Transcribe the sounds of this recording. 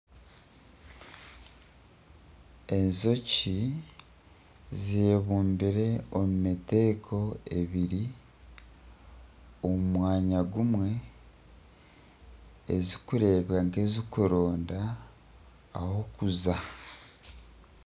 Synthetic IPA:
e̞nzo̞ci | zeːβuːmbiɾe̞omumite̞ːkʰo̞eβiɾi | omumwaːɲaɡumwe̞ | ezikuɾe̞ːβjaŋke̞zikuɾo̞ːnda | ho̞kuza

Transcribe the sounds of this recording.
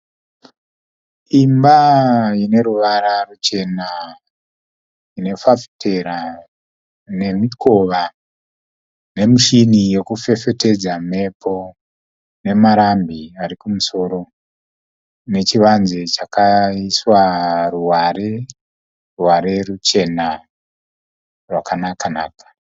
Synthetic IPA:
imbaine̞ɾuʋaɾarut͡ʃe̞na | ine̞fafi̥tʰe̞ɾa | ne̞mikʰo̞ʋa | ne̞miʃinijo̞kufe̞fe̞te̞d͡zame̞pʰo̞ | ne̞maɾambiaɾikumuso̞ːɾo̞ | ne̞t͡ʃiʋanzet͡ʃakaiswaruware | ruwaɾe̞rut͡ʃe̞na | rwakanakana̰ːkḁ

